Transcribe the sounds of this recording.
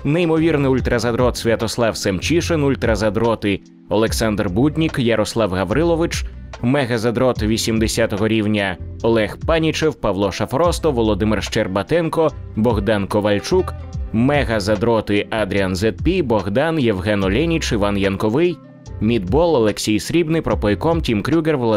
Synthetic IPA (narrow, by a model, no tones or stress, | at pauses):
neimɔʋʲirnɪʊlʲt̪ɾɐzɐd̪ɾɔt̪sʲʋʲɐt̪ɔslˠɑwsɛmt͡ʃiʃenulʲt̪ɾɐzɐd̪ɾɔt̪ɪ | ɔlˠeksand̪rbud̪ʲnʲikjɐɾɔslˠɑwɣɐʋɾɪlˠɔʋɨt͡ʃmɛɣɐzɐd̪ɾɔt̪ʋʲisʲimd̪esʲat̪ɔɦɔɾʲiwnʲɐɔlˠɛxpanʲit͡ʃewpɐʋlˠɔʃɐfɾɔst̪ɔʋɔlˠɔd̪ɪmɪrʃt͡ʃɛrbɐt̪ɛnkɔbɔɣd̪ɑnkɔʋɐlʲt͡ʃukmɛɣɐzɐd̪ɾɔt̪ɪʔad̪ɾʲianzɛt̪̚pʲibɔɣd̪ɑnjewɦɛnɔlʲɛnʲit͡ʃɪʋanjɐnkɔʋɪj | mʲid̪bɔlˠɐlˠeksʲijsɾʲibnɪpɾɔpɔjkɔmtʲimkɾʲuɣerʋɔ